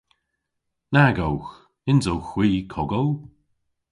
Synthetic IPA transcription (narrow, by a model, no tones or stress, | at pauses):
naɡowx | ɪnzowxwiːkʰɔɡow